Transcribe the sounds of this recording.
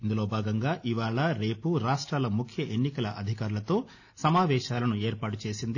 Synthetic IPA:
ind̪ulo̞ːbʱaːɡɐŋɡaːʔiʋaːɭɐɾe̞ːpuɾaːʂʈɾaːlɐmukʰjɐʔe̞nːikɐlɐʔɐd̪ʱikaːɾulɐt̪o̞ː | sɐmaːʋɛːʃaːlɐnue̞ːɾpaːʈut͡ʃe̞ːsind̪i

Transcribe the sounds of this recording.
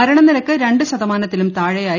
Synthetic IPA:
ɐɾɐɳɐnːilɐkːɨɾe̞ɳɖɨsɐðɐmaːnɐt̪ːilumt̪aːɻɐjaːj

